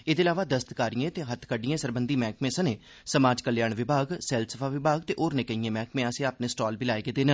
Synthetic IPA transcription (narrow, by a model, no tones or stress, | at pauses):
ed̪eɪlaːʋaːd̪əst̪kaːɾijẽːt̪eːɦət̪ʰkəɖijẽːsəɾbənd̪iːmɛ̃ːkmẽːsəneː | səmaːd͡ʒkəljaːɳʋɪbʱaːɡsɛːlsəfʰaːʋɪbʱaːɡt̪eːʔoːɾnekəiẽːmɛ̃ːkmẽːasẽaːpnẽːsʈoːlbiːlaːeːɡeːd̪eːnəl